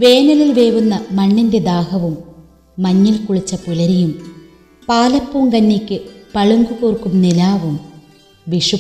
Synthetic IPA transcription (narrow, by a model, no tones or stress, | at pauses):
ʋe̞ːnɐlilʋeːʋunːɐmɐɳːinde̞d̪aːhɐʋumː | ɐɲːilkuɭit͡ɕːɐpulɐɾijum | paːlɐpːumkɐnːikʲːɨpɐɭuŋɡukoːrkːumnilaːʋum | ʋiʂu